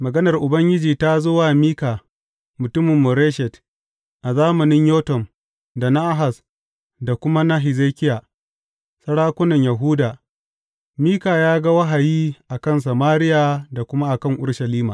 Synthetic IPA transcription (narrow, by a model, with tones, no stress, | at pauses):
mɐ˨ɡɐ˦nɐ˨rʔʊ˨bɐ˦ŋɡʲɪ˦d͡ʒiː˨ta˦zo˦waː˨miː˦kaː˨ | mʊ˨tʊ˦mɪ˨mːʊ˨ɾeː˦ʃɛ˨t | ʔa˨zaː˦mɐ˨nɪ˦ɲjoː˦tɔ˨m | da˨na˦ʔa˦ɦa˨s | da˨kʷʊ˦ma˦na˦ɦɪ˨zeː˦kʲɪ˦jaː˨ | sɐ˦ɽaː˦kʷʊ˦nɐ˨ɲja˨ɦuː˦daː˨ | miː˦kaː˨jaː˦ɡa˦wɐ˦ɦa˨jiː˦ʔa˨kɐ˦˨ns̬ɐ˨maː˦ɾɪ˦ja˨da˨kʷʊ˦ma˦ʔa˨kɐ˦˨ŋʔʊ˦ɽʃɐ˨liː˦ma̰ː˨